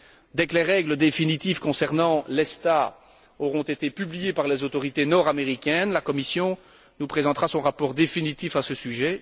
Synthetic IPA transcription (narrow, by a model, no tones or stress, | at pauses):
d̪ɛklɛʁɛɡləd̪efinit̪ifkɔ̃sɛʁnɑ̃lɛst̪a | ɔʁɔ̃t̪et̪epyblijepaʁlezot̪ɔʁit̪enɔʁameʁikʲɛnlakɔmisjɔ̃ | nupχezɑ̃t̪χʁasɔ̃ʁapɔʁd̪efinit̪ifasəsyʒɛ